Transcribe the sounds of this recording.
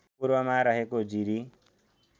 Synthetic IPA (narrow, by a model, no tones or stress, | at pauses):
puɾwʌmaɾʌɦekod͡ziɾi